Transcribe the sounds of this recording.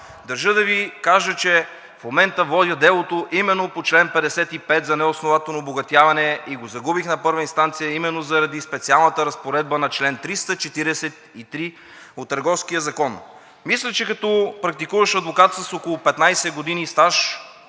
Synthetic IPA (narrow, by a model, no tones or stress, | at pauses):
d̪ɐɾʒɤd̪ɐvikaʒət͡ʃɛ | fmomɛnt̪əvɔd̪ʲəd̪ɛlˠot̪oʔimɛnːopot͡ʃlɛnpɛd̪ɛsɛt̪ipɛt̪zɐnɛosnovat̪ɛlˠnoboɡɐt̪javɐnɛiɡozɐɡubixnɐpɤɾvəinst̪ant̪sijəimɛnːozɐɾɐd̪ispɛt̪sialˠnət̪əɾɐspoɾɛd̪̚bənɐt͡ʃlɛnt̪ɾist̪ət͡ʃɛt̪iɾɛsɛt̪it̪ɾi | ot̪ːɐɾɡɔfskijəzɐkɔn | mislʲɛt͡ʃɛkɐt̪ɔpɾɐk̚t̪ikuvəʃɐd̪vokat̪sɐsokolˠopɛt̪najsɛɡod̪inist̪aʃ